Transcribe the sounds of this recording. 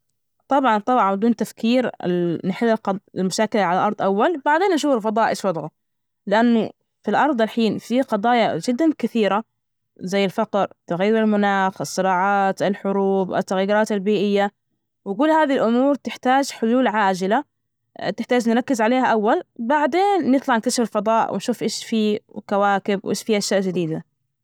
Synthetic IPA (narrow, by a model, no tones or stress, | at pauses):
t̪ˤɑbʕɑnt̪ˤɑbʕɑnbɪd̪uːnt̪afkiːɾɪ̰nɪħɪlːɪlqɪlmʊʃaːkɪlaʕalalʔɑɾˤd̪ˤʔawːalbaʕd̪eːnʔaʃuːfɪlfɑd̪ˤɑːʔɪʃwɑd̪ˤʕʊ | lɪʔanːʊ | filʔɑɾˤd̪ˤalħiːnfiqɑd̪ˤɑːjɑd͡ʒɪd̪ːankɪθiːɾa | zajːɪlfɑqɾt̪ɪɣajːɪɾɪlmʊnaːxɑsˤːɨɾɑːʕɑːt̪ɪlħʊɾuːbʔa̰t̪ːaɣjːɪɾˤɑːt̪albiːʔɪjːa | wɪkʊlːhaːðilʔʊmuːɾt̪ɪħt̪aːd͡ʒħʊluːlʕaːd͡ʒɪla | t̪ɪħt̪aːd͡ʒnɾˤɑkːɪzʕaleːhaʔawːalbaʕd̪eːnːɪt̪ˤlɑʕɪkt̪aʃɪfɪlfɑd̪ˤɑːʔwʔɪ̰nʃuːfʔeːʃfiːkawaːkɪbwʔḛːʃfiːʔaʃjaːʔd͡ʒɪd̪iːd̪a